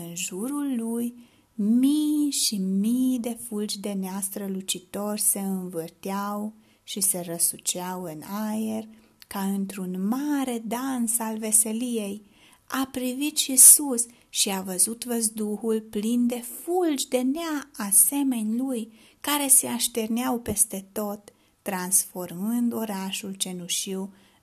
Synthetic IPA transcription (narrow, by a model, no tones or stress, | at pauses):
ɨnʒuɾulːuj | mijʃimijd̪e̞fuld͡ʒd̪e̞neast̪ɾəlut͡ʃit̪o̞rʲse̞ɨnvɨrt̪jaw | ʃise̞ɾəsut͡ʃeawɨnajer | kaɨnt̪ɾunmaɾe̞d̪ansalve̞se̞lije̞j | apɾivit̪ʃisus | ʃiavəzut̪vəzd̪uhulplind̪e̞fuld͡ʒd̪e̞neaːse̞me̞nʲluj | kaɾe̞se̞aʃt̪e̞rneawpe̞st̪e̞t̪o̞t̪ː | ɾansfo̞rmɨnd̪o̞ɾaʃult͡ʃe̞nuʃiw